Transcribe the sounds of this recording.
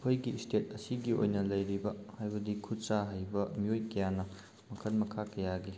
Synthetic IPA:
pʰojɡistet̚ɐsiɡio̰jnɐlɐjɾibɐhajbɐdikʰutt͡ʃaɦajbɐmiojkɐjanɐ | mɐkʰɐlmɐkʰakɐjaɡi

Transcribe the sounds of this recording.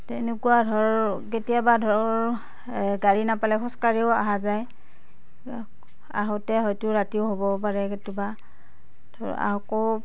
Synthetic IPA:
tɛnekuwadʱɔɹɔketijabadʱɔɹɔɹ | ɡaɹinapalɛkʰxɔ̃skaɹiʊa̰ɦazaj | a̰ɦɔtɛɦɔjtʊɹatiʊɦobɔpaɹɛketuba | dʱɔ | a̰ɦɔkɔ

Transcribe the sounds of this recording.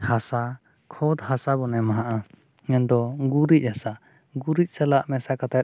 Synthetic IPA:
hasa | kʰɔd̪hasabɔnɛmaɦaʔa | ɲɛnd̪ɔɡuɾic̚ˀhasa | ɡuɾic̚ˀsɛlaʔmɛsakat̪at̪̚

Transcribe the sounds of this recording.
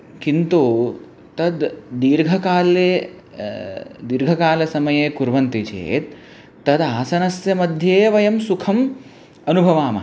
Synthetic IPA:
kint̪u | t̪ɐd̪ːiːɾɡʱɐkaːleː | d̪iːɾɡʱɐkaːlɐsɐmɐjeːkuɾʋɐnt̪it͡ʃḛːt̪̚ː | ɐd̪aːsɐnɐsjɐmɐd̪ʱjeːʋɐjɐmsukʰɐm | ɐnubʱɐʋaːmɐ

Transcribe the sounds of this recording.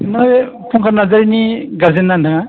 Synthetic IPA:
naj | pʰuŋkʰanazaɾiniɡaɾzenːandaŋa

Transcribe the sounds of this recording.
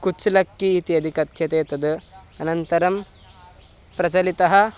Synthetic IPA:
kut͡ʃlɐkːiːt̪iɐd̪ʱikɐt̪ɕʰɐt̪eːt̪ɐd̪ɐnɐnt̪ɐɾɐm | pɾɐt͡ʃɐlit̪ɐɦɐ

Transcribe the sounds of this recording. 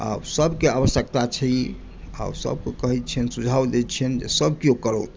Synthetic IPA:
a̰wsəbʱkeabəsjək̚t̪at͡ʃʰəi | a̰wsə̰b̚kekəɦit̪̚t͡ʃʰiənsud͡ʒʱabd̪ɛt̪t͡ʃʰiənd͡ʒḛsəbʱkiokəɾot̪

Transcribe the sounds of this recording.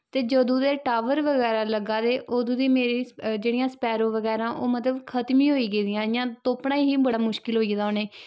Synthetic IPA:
t̪eːd͡ʒoːd̪õːd̪eːʈaːʋəɾʋəɣɛːɾãːləɡãːd̪eːʔoːd̪õːd̪iːmeːɾiːd͡ʒeːɽijãːspɛːɾõːʋəɡɛːɾãːʔoːmət̪ləbkʰət̪mĩːɦoːiːɡeːd̪ɪjãːɪjãːt̪oːpɳãːiɦiːbəɽaːmʊʃkɪlɦoːiːd̪aoːneː

